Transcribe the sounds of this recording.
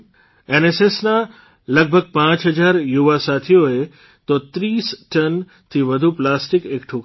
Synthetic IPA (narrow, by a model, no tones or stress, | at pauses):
enesesna | ləɡ̚bʱəɡ̚pãt͡ʃɦəd͡ʒaɾjuʋasat̪ʰijoe | t̪ot̪ɾiːsʈən | t̪ʰiʋəd̪ʱuplasʈɪkekʈʰuk